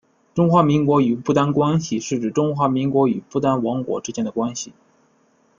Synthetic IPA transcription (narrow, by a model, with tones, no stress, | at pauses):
ʈ͡ʂʊ˥ŋxwa˧˥mi˧˥ŋkwɔ˧˥y˨˩pu˥˧t̪a˥nkwa˥nɕi˨ʂɻ̩˥˩ʈ͡ʂɻ̩˨˩ʈ͡ʂʊ˥ŋxwa˧˥mi˧˥ŋkwɔ˧˥y˨˩pu˥˩t̪a˥nwɑ˧˥ŋkwɔ̰˨˩ʈ͡ʂɻ̩˥t͡ɕjɛ˥nd̪ə˩kwa˥nɕi˨˩